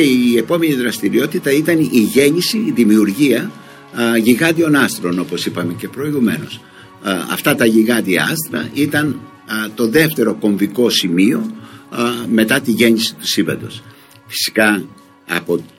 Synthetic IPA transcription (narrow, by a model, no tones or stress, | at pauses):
eie̞po̞me̞niðɾɐst̪iɾio̞t̪it̪ɐit̪ɐniʝe̞ɲisiːðimiuɾʝiɐ | ʝiɣɐðio̞nɐst̪ɾo̞no̞po̞sipɐme̞ce̞pɾo̞iɣume̞̰no̞̰s | ɐ̰ft̪ɐt̪ɐʝiɣɐðiɐ̰ɐst̪ɾɐ̰ʔit̪ɐn | t̪o̞ðe̞ft̪e̞ɾo̞ko̞ɱviko̞simio̞ | me̞t̪ɐt̪iʝe̞ɲisi̥t̪u̥sivɐ̰d̪o̞s | fi̥si̥kɐ | ɐ̰po̞